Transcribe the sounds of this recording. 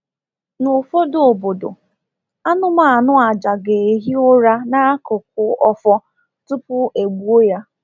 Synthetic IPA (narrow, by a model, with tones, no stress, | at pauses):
nʊ˨fo˦do˨o˨bo˨do̰˨ | a˦nʊ˦ma˨a˨nʊ˦a˨d͡ʒa˨ɡe˨e˨ɦi˦o˦ɾa˦na˦kʊ˨k̚ʊ˨ɔ˦fɔ˦ | tʊ˦pʊ˦ʔe˨ɡ͡bu˦o˦ja˦